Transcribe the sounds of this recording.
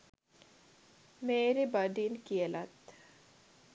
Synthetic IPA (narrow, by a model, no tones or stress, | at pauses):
meːɾebɐɖinkiəlat̪